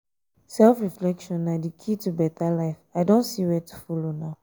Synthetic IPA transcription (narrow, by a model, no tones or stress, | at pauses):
sɛlfɹiflɛkʃɔ̃nːadikʰitubɛtalaɪfaɪdõntsiwɛtu̥fɔlonaʊ